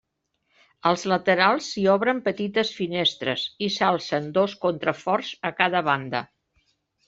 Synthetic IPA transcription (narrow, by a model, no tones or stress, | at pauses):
əlˠzlət̪əɾalˠsːiɔβɾəmpət̪it̪əsfinest̪ɾə̰zisalˠsənd̪oskont̪ɾəfɔɾz̥əkaðəβand̪ə̰